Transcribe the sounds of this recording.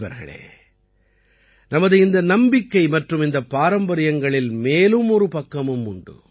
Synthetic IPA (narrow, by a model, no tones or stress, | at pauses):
ʋɐ̰ɾɣɐ̰ɭḛː | nɐmɐðɯɪnd̪ɐnɐmbɪkːɐɪmɐʈrɯmɪnd̪ɐpːaːɾɐmbɐɾɪjɐŋɡɐɭɪlmeːlɯmɔɾɯpɐkːɐmɯmʊɳɖɯ̰